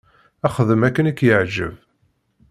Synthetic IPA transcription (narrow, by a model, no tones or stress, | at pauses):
æχəðəmækːənikːjəʕʒə̰v